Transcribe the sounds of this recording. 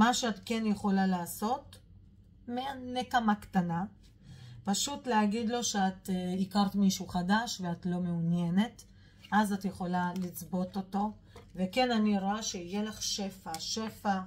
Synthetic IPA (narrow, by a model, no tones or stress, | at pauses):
maʃeatke̞njeχo̞lalaːso̞t | meanekamaktana | paʃutleaɡid̪lo̞ʃeatikaʁtmiʃuχadaʃveatlo̞meunje̞ne̞t | ʔazatjeχo̞lalit͡sbo̞to̞to̞ | ve̞ke̞naniɾoaʃeijelaχʃe̞faʃe̞fa